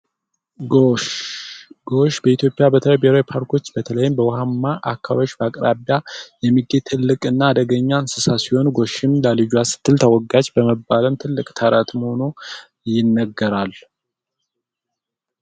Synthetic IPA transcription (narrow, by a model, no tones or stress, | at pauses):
ɡoʃbəit̪jo̞pʼijabət̪ʰələjbeɾojpʰaɾkʰo̞t͡ʃːbət̪ʰələjɪmbəwɦamːaʔakʰːaβoʃbəakʼɾaβjajɛmːiɡet̪ʰɨlːɨkʼɨnːaːd̪əɡəɲːansɨsasiho̞nɡo̞ʃɪmləlɨd͡ʒuasɨ̥t̪ʰːɨlt̪ʰəwɔɡad͡ʒbəməbːaləmt̪ʰɨlːɨkʼt̪ʰəɾat̪məho̞nu | jɪnːəɡːəɾal